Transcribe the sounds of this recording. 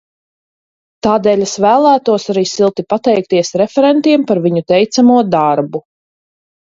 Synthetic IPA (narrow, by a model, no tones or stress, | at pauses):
t̪aːd̪ɛːlʲesvæːlˠæːt̪uɔsaɾiːsilˠt̪ipat̪ɛjk̚t̪iɛsɾɛfɛɾɛnt̪iɛmpaɾviɲut̪ɛjt̪samuɔd̪aɾbu